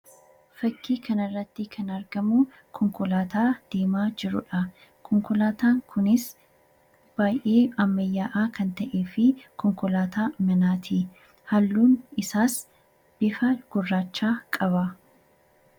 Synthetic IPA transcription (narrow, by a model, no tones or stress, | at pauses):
fɐkːiːkʰɐnɪrːɐt̪ːɪkʰɐnɐɾɡɐmʊ | kʰɔŋkʊlaːt̪aːd̪̥e̞ːmaːd͡ʒɪɾʊᶑɐ | kʰɔŋkʊlaːt̪aːŋkʰʊnɪs | b̥aːjʔeːɐmːɐjːaːʔaːkɐnt̪ɐʔe̞ːfɪkʰɔŋkʊlaːt̪ʰaːmɐnaːt̪ʰi | hɐlːuːnɪsaːs | b̥ɪfɐɡ̥ʊrːaːt͡ʃːaːkʼɐβɐ